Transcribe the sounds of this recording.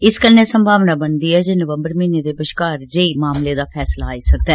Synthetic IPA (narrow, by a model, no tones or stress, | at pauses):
ɪskənːeːsəmbʱaːʋnaːbənd̪iːɦɛːd͡ʒeːnəʋəmbəɾmiːneːd̪eːbəʃkaːɾd͡ʒeiːmaːmleːd̪aːpʰɛːslaːiːsək̚d̪ɛ̃